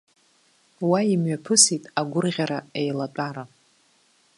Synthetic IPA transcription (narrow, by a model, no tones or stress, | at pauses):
waimɥapʰɨsitʼaɡʷʊrʁʲaɾaejlatʷʼaɾa